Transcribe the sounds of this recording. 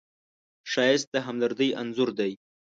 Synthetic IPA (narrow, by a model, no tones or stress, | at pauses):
ʃɑjɪst̪̚d̪əɦamləɾd̪əjʔanzʊɾd̪aj